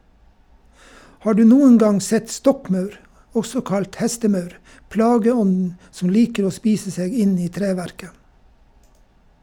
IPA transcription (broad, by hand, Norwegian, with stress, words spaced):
ˈhɑː ˈɖʉː ˈnuːən ˈɡɑŋ ˈsɛt ˈstɔkˌmɑʉɾ ˈɔsɔ ˈkɑlt ˈhɛstəˌmɑʉɾ ˈplɑːɡəˌɔndn̩ sm̩ ˈliːkəɾ ˈoː ˈspiːsə ˈseːɡ ˈɪn ˈiː ˈtɾeːˌʋæɾkə